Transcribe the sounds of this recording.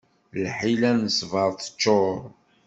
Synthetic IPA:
lħilænəsvəɾˤθə̥t͡ʃːoɾˤ

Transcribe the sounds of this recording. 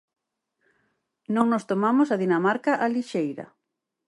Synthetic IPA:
nõŋnost̪omamosaðinamaɾkaʔaliʃejɾɐ̰

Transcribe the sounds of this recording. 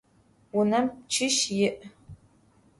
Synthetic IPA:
wʊnɐmt͡ʃʰɪʃjɪʔ

